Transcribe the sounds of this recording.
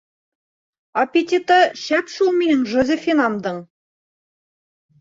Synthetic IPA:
ɐpʲet̪ʲit̪əɕæpʃulˠmʲinɘŋʒŏzʲefʲinɑmd̪ɤɴ

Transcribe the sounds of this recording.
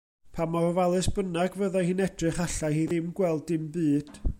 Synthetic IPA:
pʰamɔrvalˠɨsb̥ənaɡvəðahɨːnɛd̥rɨχaɬahiðɪmɡwɛlˠdɪmbɨːd̥

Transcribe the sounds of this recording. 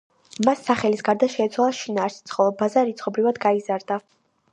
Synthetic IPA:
masːaχɛlisɡaɾd̪aʃɛːt̪sʰwalˠaʃinaːɾsi̥t̪sʰχɔlˠɔbazaɾit̪sʰχɔbɾivad̪ɡaizaɾd̪a

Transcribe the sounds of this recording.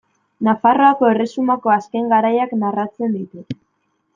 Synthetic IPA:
nafaro̞ako̞e̞re̞sumako̞aske̞ŋɡaɾajaknarat͡se̞nd̪it̪u

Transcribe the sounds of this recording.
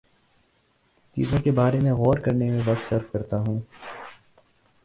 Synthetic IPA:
t͡ʃḭːzõkebaːɾẽmẽɣɔːɾkɐɾnemẽʋɐk̚t̪sɐɾfkɐɾt̪aɦũː

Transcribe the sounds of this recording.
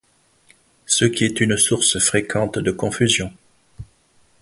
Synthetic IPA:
səkʲiɛt̪ynsuʁsfχekʰɑ̃t̪d̪əkɔ̃fyzjɔ̃

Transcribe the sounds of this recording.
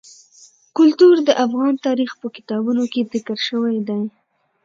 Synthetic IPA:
kʊlt̪uɾd̪əʔafɣɑnt̪ɑɾixpəkɪ̥t̪ɑbunokezɪkəɾʃəwajd̪aj

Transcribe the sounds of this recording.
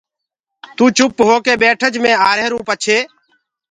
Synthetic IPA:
t̪ũːt͡ʃʊpɦoːkeːɓeːʈʰəd͡ʒmẽːaːɾeːɾũːpət͡ʃʰeː

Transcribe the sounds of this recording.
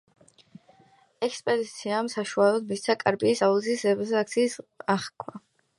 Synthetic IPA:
ɛkspʼɛd̪it̪sʰiamsaʃualˠɔd̪mist̪sʰakʼaɾpʼiːsaulsisɛbzɛakt̪sʰiːsaχkʰwa

